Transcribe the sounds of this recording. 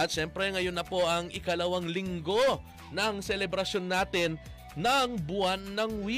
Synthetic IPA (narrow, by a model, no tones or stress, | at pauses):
ɐt̪̚ʃɛmpɾɛŋɐjonːɐpo̞ʔɐŋɪkɐlɐwɐŋlɪŋɡo̞ | nɐŋsɛlɛbɾɐsjo̞nːaːt̪ɪnː | ɐŋbʊanːɐŋwi